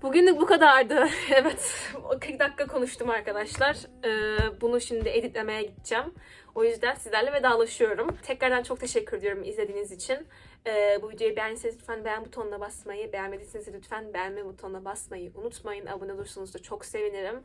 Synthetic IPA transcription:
buɟynlʲykbukad̪aɾd̪ɯevɛt̪kʰɯɾk̚d̪akʰːakʰo̞nuʃt̪ʰumaɾkad̪aʃlˠaɾ̥ɯːbunuʃimd̪ied̪it̪̚lʲe̞me̞jɛɟit̪̚d͡ʒæm | o̞jyzd̪ænsizlʲæɾlʲɛvɛd̪aːlˠaʃɯjo̞ɾumt̪ʰɛcɾæɾd̪ænt͡ʃʰo̞k̚t̪ʰe̞ʃɛcʰːyɾed̪ijo̞ɾumizlʲed̪iːnizit͡ʃʰin | ɛːbujyd͡ʒejibæɾnised̪yt̪fænbɛænbut̪ʰonlˠabasmajɯbejamed̪isinised̪yt̪fænbænmɛbut̪ʰolˠabasmajɯʔunut̪majɯnʔa̰bunɛd̪uɾsunuzd̪at͡ʃʰo̞kse̞viniɾim

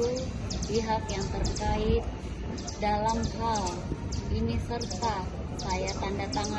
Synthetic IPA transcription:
upiɦakjaŋt̪ərkaɪt̪̚ | dalamhal | ʔinisərt̪a | ajat̪andat̪aŋa

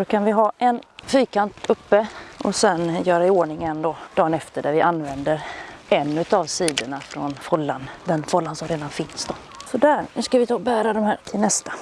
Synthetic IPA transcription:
d̪okʰanvɪɦɑːʔɛnfyːkant̪ɵpːəʔɔsɛnjœːɾaɪoːɳɪŋənd̪ɔd̪̥ɑːnɛft̪əɖæɾvɪʔanːvɛnd̪əɾɛnːʉ̟t̪avsiːd̪əɳafɾɔ̰nfɔlːand̪ɛnfɔlːansɔmɾeːd̪anfɪnsd̪ɔ | sɔd̪æɾnʉskavɪt̪ʰɑːbæːɾad̪ɔmhæːʈʰɪlnɛst̪ḁ

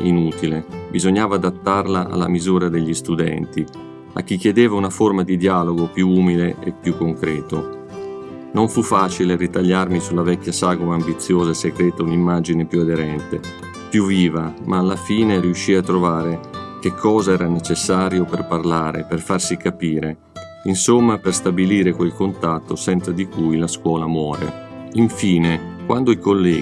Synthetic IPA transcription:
inut̪ilebizoɲːaːvaːd̪at̪ːarlaʔa̰lːa̰mizuːɾad̪eʎːist̪ud̪ɛ̰nt̪i | a̰kːikːjed̪eːvaunaformad̪id̪jaːloɡopjuuːmileḛpːjukːoŋkɾɛːt̪o | noɱfufːaːt͡ʃileɾit̪aʎːarmisulavɛkʲːjasaːɡomambit̪sːjoːzaseɡɾɛːt̪aunimːad͡ʒinepjuad̪eɾɛnt̪e | pjuvːiːvamʔaːlːafiːneɾiuʃːiːat̪ːɾovaːɾek̟ekʰːɔːzaɛːɾanet͡ʃesːaːɾjoperparlaːɾḛperfarsikapiːɾe | insomːaperst̪abiliːɾekwelkont̪at̪ːosɛnt̪sad̪ikujlaskwɔːlamwɔːɾḛiɱfiːnekwand̪oikolːɛː

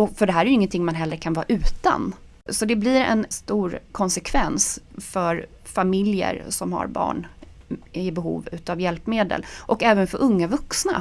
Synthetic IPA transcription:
ɔfœɖɛɦæːɾæɾjʏɪŋːənt̪ʰɪŋːmanɦɛlːɾəɾkʰanvɑ̰ːʔʉ̟ːt̪a̰n | sɔd̪ɛblɪɾɛ̰nst̪uːɾkʰɔnsɛkʰvɛnsfœɾ | famɪljə̰ɾsɔmha̰ɾbɑ̰ːɳ | ɪbɛɦṵːvʉ̟ːt̪avjɛlpmeːd̪ə̰lʔɔkɛːvənfœɾʔɵŋːavɵksna̰

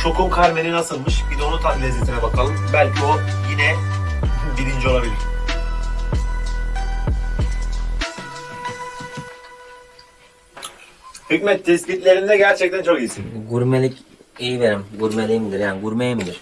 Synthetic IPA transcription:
t͡ʃʰo̞kʰumkʰaɾmeninasɯlˠmɯʃbid̪onut̪ʰanlʲɛzlet̪ʰinɛbakʰalˠɯmbælʲcʰio | jinɛ | bilʲind͡ʒo̞lˠabilʲiɾ | hycmɛt̪ʰːɛsbit̪lʲeɾimd̪ɛɟæɾt͡ʃʰɛc̚t̪ʰænt͡ʃʰo̞kijisiɡuɾmelʲicejiveɾimɡuɾmelʲijmid̪iɾjaːnɡuɾmejimid̪iɾ̥

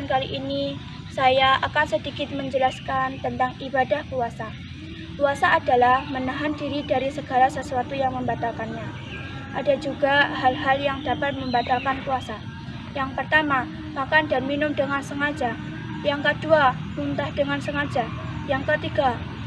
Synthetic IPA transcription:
nkaliʔini | sajaʔakansədikɪt̪̚məɲd͡ʒəlaskant̪ənt̪aŋibadahkuasa | kuasaːdalahmənaɦandiɾidaɾisəɡalasəsuat̪ujaŋməmbat̪akanɲa | ʔadad͡ʒuɡaɦalɦaljaŋdapat̪̚məmbat̪alkankuasa | jaŋpərt̪ama | makandanminʊmdəŋansəŋad͡ʒa | jaŋkəduabunt̪ahd̥əŋansəŋad͡ʒa | jaŋkət̪iɡa

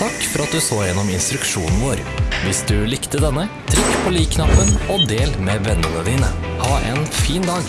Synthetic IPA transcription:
ɑkːfɔɾɑt̪̚d̪ʉːsoːjɛnːɔmɪnst̪ɾʉkʃuːnn̩ʋoːɾ | ʋɪsd̪ʉlɪkt̪əd̪ɛnːət̪ʰɾɪkːpʰoːliːkʰnɑpːənoːd̪eːlmeːʋɛnːənəd̪iːnə | hɑːʔḛːnfiːnd̪ɑːɡ

